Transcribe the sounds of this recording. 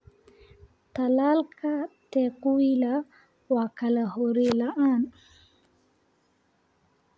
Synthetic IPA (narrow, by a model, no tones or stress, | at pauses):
t̪alalkʰat̪ɛkuila | wakalahoɾelaʔan